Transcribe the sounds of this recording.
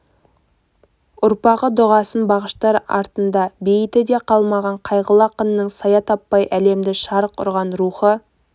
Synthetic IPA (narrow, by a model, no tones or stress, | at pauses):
ʊɾpɑʁəd̪ʊʁɑsənbɑʁəʃt̪ɑɾɑ̰ɾt̪ənd̪ɑbe̞jɪt̪ɪd̪e̞qʰɑlˠmɑʁɑɴqʰɑjʁəlˠɑqʰənːəɴsɑjɑt̪ʰɑpːɑjʔæle̞md̪ɪʃɑɾqʰʊ̰ɾʁɑnɾuχə